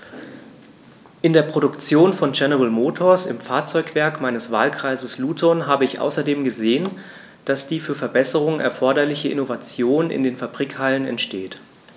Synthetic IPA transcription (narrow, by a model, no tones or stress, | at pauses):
ʔɪndeːɐpʁ̥oɾʊkt͡sjoːnfɔnd͡ʒɛnɛʁəlmoːtʰoɐsɪ̰mfaːɐt͡sɔʏkv̥ɛɐkmaɪnəsv̥a̰ːlkʁ̥aɪzəsluːtʰɔnɦaːbəɪçʔa̰ʊsɐdeːmɡəzeːən | d̥asd̥iːfyːɐfɛɐbɛsəʁ̞ʊŋnʔɛ̰ɐfɔɐɾɐlɪçəʔɪ̰novat͡sjoːnɪ̰ndeːnfabʁiːkhalənɛ̰ntʃteːt